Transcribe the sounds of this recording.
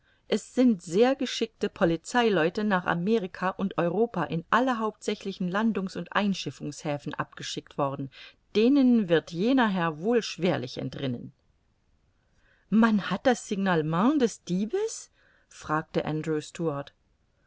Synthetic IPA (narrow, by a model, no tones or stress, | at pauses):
ʔɛsz̥ɪntz̥eːɐɡəʃɪk̚təpʰɔlit͡saɪlɔʏtənaːχa̰meːʁikʰaʔʊntʔɔʏʁ̞oːpaʔɪnʔaləɦaʊp̚tz̥ɛçlɪçn̩landʊŋsʊntʔa̰ɪnʃɪfʊŋshɛːfn̩ʔa̰p̚ɡ̥əʃɪk̚tv̥ɔʁdn̩d̥eːnənvɪɐtjeːnɐɦɛɐvoːlʃv̥eːɐlɪçɛ̰ntʁɪnə̰n | manhat̚d̥asz̥ɪɡnalmãdɛsd̥iːbəs | fʁ̥aːk̚təʔa̰ndʁuːstuaɐt